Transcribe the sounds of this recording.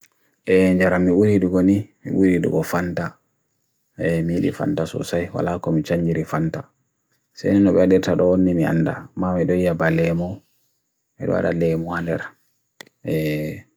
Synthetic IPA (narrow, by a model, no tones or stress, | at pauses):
ʔɛɲd͡ʒaɾamːiuɾiɗuɡɔnimḭɓuɾiɗṵɡɔfanta | ɛmiiɗḭfa̰ntasɔ̰sajwa̰lakɔmit͡ʃaɲd͡ʒiɾifanta | sa̰jnɛnːɔɓɛdɛɾtaɗɔwonːimia̰nda̰mamiɗɔjijabalɛmɔ | ɛ̰ɗɔ̰wa̰ɗa̰lɛmuhandɛɾ | ʔɛ